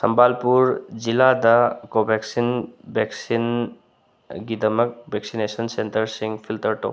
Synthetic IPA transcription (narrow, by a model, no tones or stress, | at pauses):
sɐmbalpuɾd͡ʒiladɐkobʱeksinbeksin | ɡidɐmɐk̚bʱeksinesɐnsentɐɾsiŋpʰiltɐɾto̰